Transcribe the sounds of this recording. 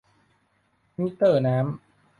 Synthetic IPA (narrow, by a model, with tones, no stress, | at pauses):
mi˦˧˥t̪ɤː˥˩naː˦˥m